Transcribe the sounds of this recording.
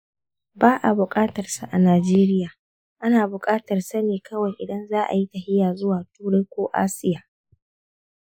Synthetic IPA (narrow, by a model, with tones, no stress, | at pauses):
baː˦ʔa˨bʊ˨kʼaː˦tɐ˨rsa˨ʔa˨naː˨d͡ʒeː˦ɾɪ˦jaː˨ | ʔa˦naː˨bʊ˨kʼaː˦tɐ˨rsɐ˦neː˨kɐ˦wɐ˨jʔɪ˨dɐ˦nzaː˦ʔa̰˨ji˦tɐ˨hɪ˦jaː˨zʊ˦waː˨tuː˦ɽɐ˦jkʷoː˦ʔa̰ː˦sɪ˦jaː˨